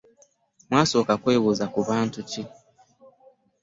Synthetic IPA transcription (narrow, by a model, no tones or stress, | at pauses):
mwaːso̞ːkakweːβuːzakuβaːntuti